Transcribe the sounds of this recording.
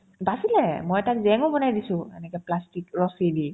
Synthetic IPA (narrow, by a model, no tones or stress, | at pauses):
basilɛmɔjtakzɛŋobɔnajdisʊ̃ɛ̰nɛkɛplastikɹɔsidi